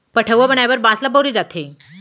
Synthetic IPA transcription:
pəʈʰəʋʋəbəɳajaʋəɾbãslabəwɾid͡zat̪ʰe

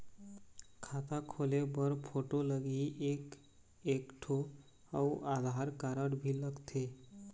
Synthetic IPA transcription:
kʰat̪akʰolebəɾpʰoʈoləɡiʔek | ekʈʰo | auʔad̪ʱaɾkaɾəɾbʱiləɡt̪ʰe

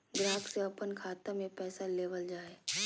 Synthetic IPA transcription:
ɡɾaːk̪seɐpənkʰaːt̪əmẽpɛːsaleːʋəld͡ʒaːeː

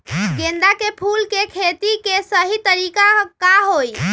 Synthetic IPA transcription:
ɡend̪akepʰulkekʰet̪ikesəɦit̪əɾikakaɦoj

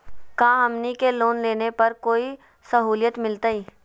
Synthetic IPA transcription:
kãːɦɐmnikeloːnleːnepɐɾkoːi | sɐɦuːljət̪mɪlt̪aiː

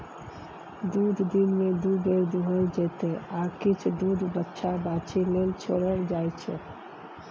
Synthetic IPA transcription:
d̪ud̪ʱd̪inmed̪ud̪eɾd̪uɦəld͡ʒɛt̪eakit͡ʃʰd̪ud̪ʱbətːʃʰabat͡ʃelelt͡ʃʰoɽəld͡ʒajt͡ʃʰɛ̰

